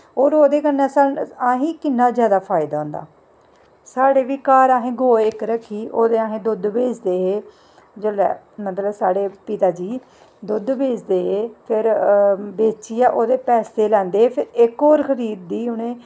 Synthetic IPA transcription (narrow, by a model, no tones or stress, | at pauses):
oːɾoːd̪eːkənːãːsənaːɦĩːkɪnːaːzjaːd̪aːpʰaːɪd̪aːʊ̃nd̪a̰ː | saːɽeːʋiːkaːɾaːɦẽːɡoːɪkɾəkʰːiːʔoːd̪eːaːɦẽːd̪ʊd̪beːd͡ʒd̪eːɦeː | d͡ʒəlɛ̰ː | mət̪ləbsaːɽeːpit̪aːd͡ʒiː | d̪ʊd̪beːd͡ʒd̪eːɦeːpʰɪɾbeːt͡ʃiːaːʔoːd̪eːpɛːst̪eːlɛ̃ːnd̪eːeːpʰɪɾɪkoːɾkʰəɾiːd̪̚ːiːʊnẽː